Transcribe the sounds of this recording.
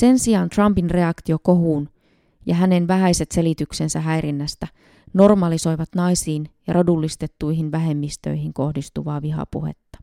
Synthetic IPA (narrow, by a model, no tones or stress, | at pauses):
se̞nsiɑnt̪rɑmpinre̞ɑkt̪io̞ko̞ɦuːn | jɑɦæne̞nʋæɦæjse̞t̪se̞lit̪ykse̞nsæɦæjɾinːæst̪æ | no̞rmɑliso̞jʋɑt̪nɑjsiːnjɑrodulːist̪e̞t̪ːuiɦinʋæɦe̞mːist̪ø̰jɦiŋko̞hdist̪uʋɑːʋiɦɑ̰pṵhḛt̪ːɑ̥